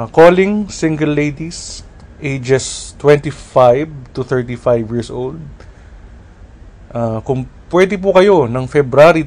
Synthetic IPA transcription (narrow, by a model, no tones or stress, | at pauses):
koːlɪŋsɪ̃ŋɡɛlːejd̪is | ʔejd͡ʒɛst̪wɛ̃nt̪ifajvt̪ʊθɛɹt̪ifajvjɪɹsʔowld̪̚ | ʔakʊŋpwɛd̪ɪp̬ʊkɐjo̞nɐŋfɛbɾaɾi